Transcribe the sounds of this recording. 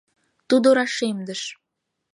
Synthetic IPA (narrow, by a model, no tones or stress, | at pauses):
t̪ud̪oɾɑʃemd̪ə̆ʃ